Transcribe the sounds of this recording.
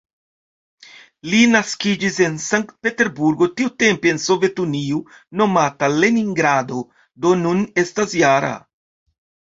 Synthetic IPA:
linaskid͡ʒise̞nsaŋkt̪̚pe̞te̞ɾbuɾɡo̞tiute̞mpienso̞ve̞tuniu | no̞matale̞niŋɡɾado̞ | d̪o̞nune̞stasjaɾa̰

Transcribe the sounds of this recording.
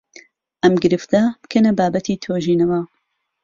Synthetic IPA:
ʔɐmɡɨɾɨft̪ɐb̥ɨ̥kʰɐnɐbaːbɐt̪ʰiːt̪ʰoːʒiːnɐwɐ

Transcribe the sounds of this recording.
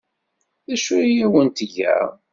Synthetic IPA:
ðæʃuijæwənt̪ʝæ̰

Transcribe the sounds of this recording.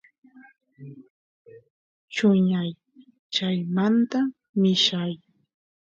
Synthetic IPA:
t͡ʃʊɲaj | t͡ʃajmant̪a | mɪʃaj

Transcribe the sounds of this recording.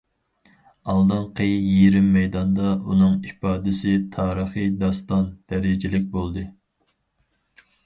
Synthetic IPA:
ɑlˠd̪ɨnqəjjiɾɪmːɛjd̪ɑnd̪ɑunɨŋipɑːd̪ɪsɪt̪ʰɑːɾəχid̪ɑst̪ɑnd̪̥ɛɾɪd͡ʒɪlɪk̬̚ʲbolˠd̪ɨ

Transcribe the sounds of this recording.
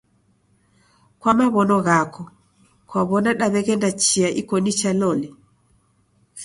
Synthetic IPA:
kwamaβɔnɔɣakɔ | kwaβɔnaɗaβɛɣɛndat͡ʃiaʔḭkɔnit͡ʃalɔlɛ

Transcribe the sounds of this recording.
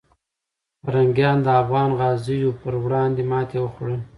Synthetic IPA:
paɾaŋɡjɑnd̪əafɣɑnɣɑzəjopəɾwɽɑnd̪emɑt̪ewəxɽən

